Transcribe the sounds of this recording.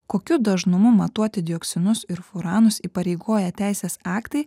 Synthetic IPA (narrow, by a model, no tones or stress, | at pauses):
koːkʲʊd̪ɐʒnʊmʊmɐt̪uɔt̪ʲɪd̪ʲɪoːkt̪sʲɪnʊsɪɾfʊɾɑːnʊsiːpɐɾʲɛɪɡoːjɛt̪ʲæˑɪsʲeːsɑːkt̪ɐɪ